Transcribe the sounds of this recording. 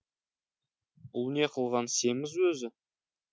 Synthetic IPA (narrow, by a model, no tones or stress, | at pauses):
ʊlˠne̞qʰəlˠʁɑnse̞mɪzwɵzɪ